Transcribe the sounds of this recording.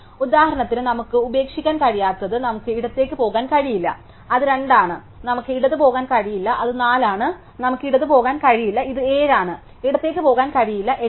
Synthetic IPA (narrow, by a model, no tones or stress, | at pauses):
ud̪aːhɐɾɐɳɐt̪ːilnɐmukːɨube̞ːkʂi̥kʲːaːnkɐɻijaːt̪ːɐðɨnɐmukːɨiɽut̪ːe̞ːkːɨpo̞ːɣaːnkɐɻijilːɐ̰ | ɐðɨɾe̞ɳɖaːɳɨ | nɐmukːɨiɽɐðɨpo̞ːɣaːnkɐɻijilːɐʔɐðɨnaːlaːɳɨ | nɐmukːiɽɐðɨpo̞ːɣaːnkɐɻijilːɐiðɨeːɻaːɳɨ | eɽut̪ːe̞ːk̬ːɨpo̞ːɣaːnkɐɻijilːɐʔe